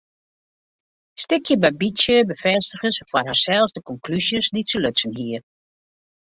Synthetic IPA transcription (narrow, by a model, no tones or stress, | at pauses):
stɪkʰjəbɛbisjəbəfɛstəxəsfɔrɦasɛlˠsdəkɔŋkʰlysjəsdisəløsənɦiər